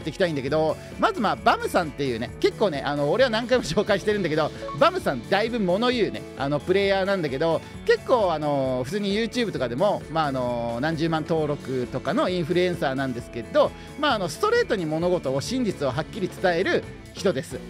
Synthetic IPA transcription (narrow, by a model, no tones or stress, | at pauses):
t̪ːekʲit̪aĩnd̪ake̞d̪o̞ | mazɨmaːbamɯ̟sãnt̪ːe̞jɯ̟ːne̞̰ke̞kːo̞ːne̞ʔano̞ːɾe̞βanãŋkaimo̞ɕo̞ːkaiɕi̥t̪e̞ɾɯ̟nake̞d̪o̞bamɯ̟sãnd̪aibɯ̟mo̞no̞jɯ̟ːne̞̰a̰no̞pɯ̟ɾe̞ːjaːnãnd̪ake̞d̪o̞ | ke̞kːo̞ːano̞ɸɯ̟t͡sɨːɲ̟ijɯːt͡ɕɨːbɯ̟t̪o̞kad̪e̞mo̞maːno̞nãɲ̟d͡ʑɨːmãnt̪o̞ːɾo̞kɯ̟t̪o̞kano̞ĩɰ̃ɸɯ̟ɾɯ̟ẽ̞ɰ̃saːnãnd̪e̞sɨ̥ke̞d̪o̞ | maːno̞sɨ̥t̪o̞ɾe̞ːt̪o̞ɲ̟imo̞no̞ɡo̞t̪o̞ːɕĩɲ̟d͡ʑit͡sɨo̞ɦakʲːiɾʲit͡sɨ̥t̪ae̞ɾɯ̟ | çi̥t̪o̞d̪e̞sɨ